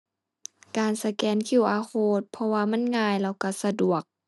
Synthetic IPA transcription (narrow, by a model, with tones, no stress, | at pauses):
kaː˨˩nsa˧kɛː˨nkʰi˧˩˨wʔaː˧˦kʰoː˧˩t̪̚pʰɔ˧waː˧ma˧˥˨nŋaː˧˨jlɛː˧˩wka˧˩sa˧du˨˩ək̚